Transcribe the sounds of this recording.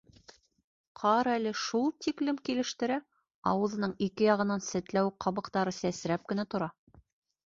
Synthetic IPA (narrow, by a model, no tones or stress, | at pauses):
qʰɑɾælɘʃulˠt̪iklɘmkilɘ̆ʃt̪ɘ̆ɾæ | ɑ̰wɤ̆ðɤ̆nɤɴikɘjɑʁɤ̆nɑnsɘ̆t̪læwqʰɑβɤ̆qt̪ɑɾɤsæsɾæp̚kɘ̆næt̪ŏɾɑ